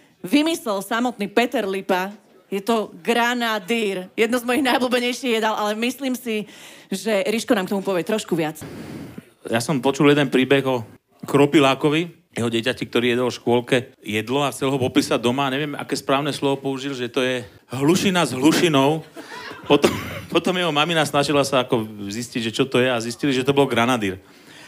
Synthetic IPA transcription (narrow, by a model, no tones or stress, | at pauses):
ʋimisɛlsamɔt̪niːpɛt̪ɛɾlipa | jɛt̪ɔɡɾanad̪iːɾjɛd̪̚nɔzmɔjiɣnajbluːbɛɲɛjʃiɣjɛd̪alʔalɛmisliːmsiʒɛɾiʃkɔnaːmkt̪ɔmupɔʋɛt̪ɾɔʃkuʋɪat͡s | jasɔmpɔt͡ʃuljɛd̪ɛnpɾiːbɛɣɔ | kɾɔpilaːkɔʋi | jɛɦɔɟɛcacik̚t̪ɔɾiːjɛd̪ɔlʃkʊɔlkɛjɛd̪lɔaxt͡sɛlɦɔpɔpiːsaɟ̚d̪ɔmaɲɛʋɪjɛmʔa̰kɛːspɾaːʊnɛslɔʋɔpɔuʒilʒɛt̪ɔjɛ | ɦluʃinazɦluʃinɔʊpɔt̪ɔmpɔt̪ɔmjɛɦɔmaminasnaʒilasaakɔzisciɟʒɛt͡ʃɔt̪ɔjɛazisciliʒɛt̪ɔbɔlɡɾanad̪iɾ